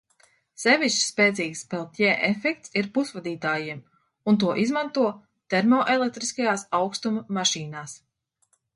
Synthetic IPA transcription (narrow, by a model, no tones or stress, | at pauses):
sevʲist͡ʃspɛːt̪ziːkspɛlˠt̪ʲjɛːʔefɛk̚t̪siɾpusvad̪iːt̪aːjiɛm | unt̪̬uɔʔizmant̪uɔ | t̪ɛɾmɔːʔelˠek̚t̪ɾiskajaːsawkst̪umːaʃiːnaːs